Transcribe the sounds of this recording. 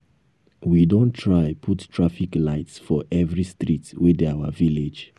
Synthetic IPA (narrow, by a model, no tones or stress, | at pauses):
widõntʰɹaɪpʰuttʰɹafiklaɪtsfɔʔɛvɹistɹitwɛdɛawəviled͡ʒ